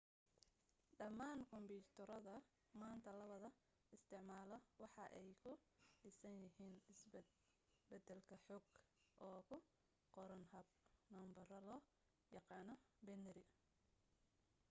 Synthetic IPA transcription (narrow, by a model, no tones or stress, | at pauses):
ɖɐmːaːŋkʰɔmpiːt̪ʰɔɾɐðɐ | maːnt̪ʰɐlɐβɐðɐ | ɪst̪ʰɪʕmaːlɔwɑħɑʔɛjkʰʊɖɪsɐnjɪɦiːnɪs | bɐd̪ɛlkʰɐħɔɡʔɔːkʰʊ | qɔɾɐnhɐb | nɔːmbɐrɐlɔː | jɑqɑːnɔ | bɛnɛɾɪ